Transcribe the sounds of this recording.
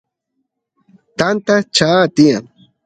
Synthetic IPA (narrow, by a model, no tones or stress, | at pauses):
t̪ant̪at͡ʃaːt̪ijaŋ